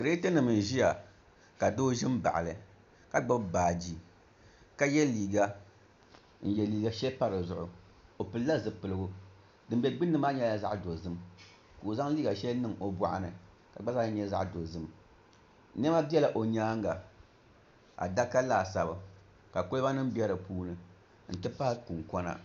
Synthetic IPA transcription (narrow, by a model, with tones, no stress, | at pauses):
kɨ˨ɾe˦tɨ˦nɨ˨m˨n˨ʒi˦ja˨ | ka˨doː˦ʒɪ˦m˦ba̰˨ʔa̰˨lɨ˨ | ka˦ɡ͡ba˦bbaː˨d͡ʒi˦ | ka˦jɛ˦liː˨ɡa˦ | n̩˨jɛ˨liː˨ɡa˦ʃɛ˦pa˦ɾɨ˨zʊ˨ʔʊ̰˨ | o˨pɨ˨lla˦zɨ˨pɨ˨lɨ˨˦ɡʊ˦ | dɨ˨m˦bʲɛ˦ɡ͡bɨ˦nːɨ˦maː˦ɲɛ˦la˨za˦ʔdo˨zɨ˦m | koː˨za˦ŋliː˦ɡa˨ʃɛ˦lnɨ˨ŋo˨ba̰˨ʔa̰˨nɨ˨ | ka˨ɡ͡ba˦za˦ɲɛ˦za̰˦ʔdo˨zɨ˦m | n˦ɛ˦ma˦bi˦ɛ˦la˨ʔo˨ɲaː˦ŋ˦ɡa˨ | a̰˨da˦ka˦laː˨sa˨ba˨ | ka˨kʊ˦lɨ˦ba˦nɨ˦m˦bi˦ɛ˦ɾɨ˨puː˦nɨ˨ | n̩˦tɨ˦pa˦hku˨ŋkɔ˦na̰˦